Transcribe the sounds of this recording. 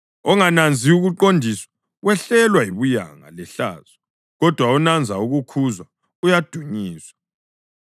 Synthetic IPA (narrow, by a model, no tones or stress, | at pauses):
ɔŋanand͡zʱiuɣuǃondʱiswḁ | wɛɬɛlwaiβuja̰ŋa̰lɛɬa̰ːz̥ɔ | ɣɔd̥ʱwaunand͡zʱauɣukʰuzwa | ujad̥ʱuɲiːswa